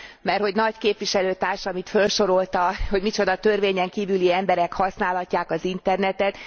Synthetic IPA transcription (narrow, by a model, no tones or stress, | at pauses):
mɛrho̞ɟnɒckeːpvʋiʃɛløːt̪aːrʃɒmit̪fø̞lʃo̞ɾo̞lt̪ɒho̞ɟmit͡ʃo̞d̪ɒt̪ø̞rveːɲɛŋkiːvyliɛmbɛɾɛkhɒsnaːlɦɒcːaːkɒzint̪ɛrnɛt̪ɛt̪